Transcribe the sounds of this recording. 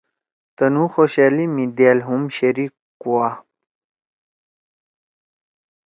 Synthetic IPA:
t̪ɐnuxoɕalimid̪alɦumɕeɾik | kːuwa

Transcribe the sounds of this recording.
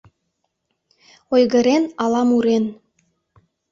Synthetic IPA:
ojɣə̆ɾenɑlɑmuɾen

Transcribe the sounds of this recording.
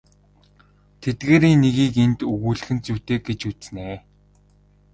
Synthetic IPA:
t̪ʰet̪̚ɡeːɾiːnːeɣiːkent̪ɵɣuːɮ̆xɘ̆nt͡suwt̪eːɡ̚et͡ɕut͡sneː

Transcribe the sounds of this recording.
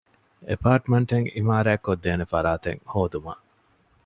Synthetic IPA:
ḛpaːʈmeɳʈeŋimaːɾæːkːod̪ːeːnefɐɾaːt̪ḛŋhoːd̪uma̰

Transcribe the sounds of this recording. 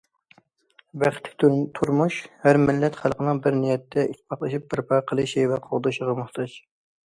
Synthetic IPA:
bæχt̪ʰːɪ̥k̚ʲt̪t̪ʰuɾmuʃhæɾmɪlːɛt̪χælˠqʰənɨŋbɪɾnijɛt̪ʰːɛʔit̪ʰpʰɑχlˠɨʃip̚bɪɾpʰɑqʰəlˠɨʃivɛqʰoʁd̪ɨʃəʁəmʊχt̪ʰɑd͡ʒ

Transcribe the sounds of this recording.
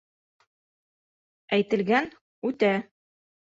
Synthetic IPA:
æjt̪ɘ̆lɡæn | ʉt̪æ

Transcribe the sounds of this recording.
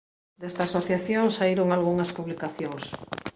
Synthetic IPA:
d̪est̪aːsoθjaθjoŋsaiɾoŋalɣuŋɐspuβlikaθjoŋs

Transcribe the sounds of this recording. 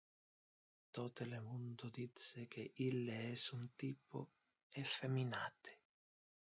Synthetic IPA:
t̪ɔt̪elemund̪ʊd̪it̪sɪk̟eʔilːeɛsunt̪iːpʊ̰ | ɛfemːinaːt̪ʰɪ̥

